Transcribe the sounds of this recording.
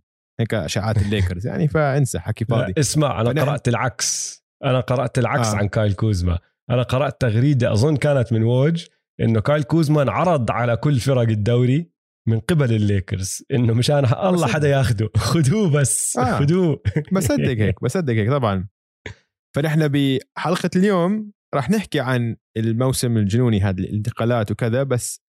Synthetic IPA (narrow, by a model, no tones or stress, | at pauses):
heːkʃaːʕaːt̪ɪlːeːkɑɾzja̰ʕnifaʔɪnsaħakifɑːaiʔɪsma̰ʕʔa̰nanɑɾˤɑʔt̪ɪlʕaks | ʔanaqɑɾˤɑʔt̪ɪlʕaksʕa̰nkaːjlkuːzma̰ | ʔanaqɑɾˤɑʔt̪ːaɣɾiːd̪aʔɑ̰zˤʊnːkaːnat̪mɪnwoːd͡ʒ | ʔɪ̰nːʊkaːjlkuːzmanʕɑɾˤɑd̪ˤʕalakʊlːfɑɾˤɑɡɪd̪ːawɾi | mɪnqɪbalɪlːeːkɪ̰ɾzʔɪnːʊmaʃaːnɦa̰ʔɑlˤːɑħad̪ːajaːxʊd̪uxʊd̪uːbasːʔaːʊd̪uːbasˤɑd̪ːɪɡheːkbasˤɑd̪ːɪɡheːkt̪ˤɑbʕɑn | faʔɪħnabɪħɑlqɑljoːm | ɾˤɑːħnɪħkiʕan | ɪlmawsɪmɪld͡ʒʊnuːniɦaːd̪ilɪɪnt̪ɪ̥qɑːlaːt̪wkɪðabasː